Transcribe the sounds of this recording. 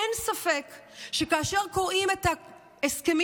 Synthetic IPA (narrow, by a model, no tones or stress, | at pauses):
ensafe̞kʃekaːʃe̞ʁko̞ʁʔimet̪a | eske̞m